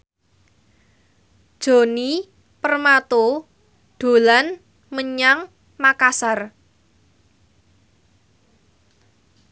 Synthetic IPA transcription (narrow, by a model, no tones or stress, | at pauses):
d̥ʒ̥o̤ni | pərmat̪o | ɖ̥o̤lan | məɲaŋ | makasar